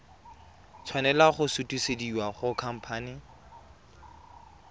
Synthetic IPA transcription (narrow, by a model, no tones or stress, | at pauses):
t͡sʰwanɛlaχʊsutʼusediwaχʊkʰam̩pʰaːnɪ